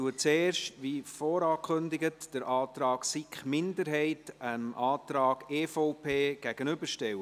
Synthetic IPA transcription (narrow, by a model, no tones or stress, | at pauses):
uət͡seːrʃtʋifɔːɾɑːkʰχʏndɪɡətd̥əɾʔɑːt̪ɾɑːɡ̥sikχmɪndəɾɦɛɪtənɑːt̪ɾɑːɡ̥eːfɔʊpʰeːɡ̥æɡ̥ənʏbəɾʃtɛwə